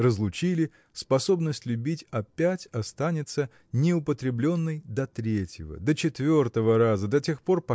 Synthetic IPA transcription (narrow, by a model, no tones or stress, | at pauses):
rəzlˠʊt͡ɕilʲɪ | spɐso̞bnəsʲtʲlʲʉbʲitʲɐpʲætʲɐst̪anʲɪt̪sə | nʲɪʊpət̪ɾʲɪblʲo̞nːəjd̪ɐt̪ɾʲetʲjɪvə̰d̪ət͡ɕɪt̪vʲo̞rt̪əvəɾazəd̪ɐtʲe̞xpo̞rpɐ